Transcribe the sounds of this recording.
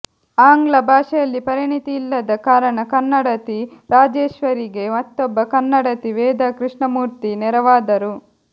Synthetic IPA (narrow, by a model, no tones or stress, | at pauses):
aːŋɡlɐbʱaːʂɐjɐlːipɐɾiɳit̪iːlːɐd̪ɐkaːɾɐɳɐkɐnːɐɽɐt̪iɾaːd͡ʒeːʃʋɐɾiɡe̞mɐt̪ːɔbːɐkɐnːɐɽɐt̪iʋɛːd̪ɐkɾiʂɳɐmuːɾt̪inɛɾɐʋaːd̪ɐɾu